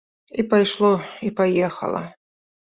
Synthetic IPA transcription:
ipajʂlˠɔipajɛxɐ̰lˠɐ̰

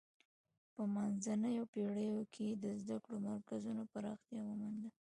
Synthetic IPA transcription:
pəmanzanəjopeɽəjokʰed̪əzd̪akɽomaɾkazunopəɾɑxt̪jɑwəmand̪a

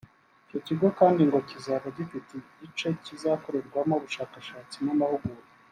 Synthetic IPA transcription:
ico̞ciɡo̞kaːndiŋɡo̞cizaβaɟifiti | it͡ʃo̞cizako̞ɾe̞ɾɡwamoβuʃaːkaʃaːt͡simamahuɡuɾe

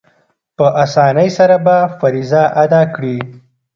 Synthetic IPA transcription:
pəʔasɑnəjsaɾabafaɾizaʔad̪ɑkɽi

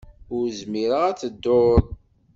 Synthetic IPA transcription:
ʊɾzmiɾəʁæt͡sːəd̪ːoðˤ

